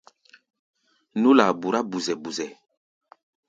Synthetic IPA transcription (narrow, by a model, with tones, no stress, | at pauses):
nu˦la˨bu˨ɾa˦bu˨zɛ˨bu˨zɛ˨